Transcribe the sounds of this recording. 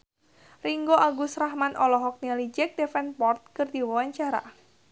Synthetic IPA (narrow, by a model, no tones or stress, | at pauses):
riŋɡoʔaɡusrahmanʔɔlɔɦɔk̚nialid͡ʒɛk̚d̪efɛnpɔrt̪̚kɨrd̪iwɔwaɲt͡ʃaɾa̰